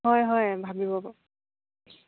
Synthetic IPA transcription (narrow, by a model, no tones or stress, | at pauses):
ɦɔjɦɔjbʱabibɔbɔ